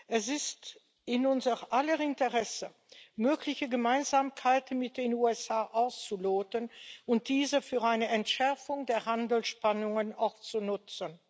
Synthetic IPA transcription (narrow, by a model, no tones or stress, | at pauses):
ʔɛsɪst | ɪnʊnzəʁʔaləɪntəʁɛsə | møːklɪçəɡəmaɪnzaːmkʰaɪtmɪt̚d̥eːnuːɛsaːʔaʊst͡suloːtənʊnt̚d̥iːzəfyːɐʔaɪnəɛntʃɛɐfʊŋdeːɐɦandl̩ʃpanʊŋənaʊxt͡sunʊt͡sən